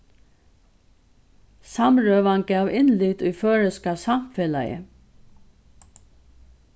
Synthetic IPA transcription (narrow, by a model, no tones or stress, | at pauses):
samɹœːʋanɡaːʋɪnlʏt̪ʊjføːɹəskasamfɛːla̰jə̰